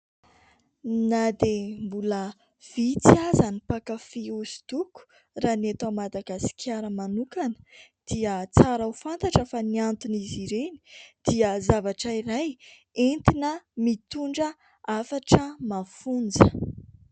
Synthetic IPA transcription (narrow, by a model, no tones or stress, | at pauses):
nad̪embulə | v̥it͡siazanipakafiuzi̥t̪uku̥ | raːnat̪amad̪aɡasi̥kʲʰjaɾəmanukanə̥d̪̥iət͡saɾawfant̪aʈ͡ʂəfaniant̪uniziɾeni̥d̪̥iəzavaʈ͡ʂəiɾaj | ent̪inəmit̪uɳɖ͡ʐə | afaʈ͡ʂəmafund͡zə